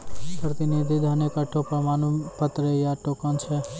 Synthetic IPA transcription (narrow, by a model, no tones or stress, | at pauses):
pɾət̪inid̪ʱid̪ʱanekəʈʰopəmanupət̪ɾəjaʈokənt͡ʃʰɛ